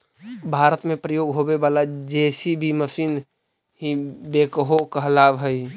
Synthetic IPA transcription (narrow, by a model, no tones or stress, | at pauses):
bʱaɾət̪mẽpɾəjoːɡɦobebalad͡ʒesibʱiməsiːn | ɦĩbekɦokəɦlaʋɦəj